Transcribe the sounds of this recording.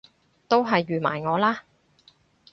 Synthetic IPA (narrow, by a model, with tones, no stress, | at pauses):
t̪o˥wɦɐ˨jːyː˨ma̰ː˨˩jŋɔː˨˧laː˥